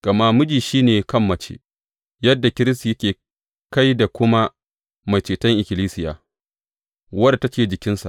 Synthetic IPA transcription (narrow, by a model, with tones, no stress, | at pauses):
ɡ̥ɐ˨ma˦mʊ˦d͡ʒiː˨ʃiː˦neː˨kɐ˦˨mːɐ˦t͡ʃḛ˦ | jɐ˦dːa˨kʲɪ˦ɾɪ˦s̬ti˨jɐ˦kʲeː˨ | ka˦jda˨kʷʊ˦ma˦ | ma˨jt͡ʃeː˨tɐ˦ŋʔɪ˨kʲɪ˨liː˦sɪ˦ja̰ː˨ | wɐ˦da˨ta˦t͡ʃeː˨d͡ʒɪ˨kʲɪ˦nsa̰˨ʔ